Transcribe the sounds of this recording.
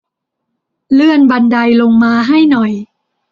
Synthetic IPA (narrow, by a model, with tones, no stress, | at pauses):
lɯ˥˩ənba˧nda˧jlo˧ŋmaː˧ɦa˥˩jnɔ˨˩j